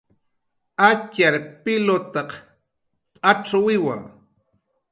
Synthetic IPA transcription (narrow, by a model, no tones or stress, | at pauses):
at͡ʃaɾpɪlot̪ɑq | pʼaʈ͡ʂawɪwa̰ŋ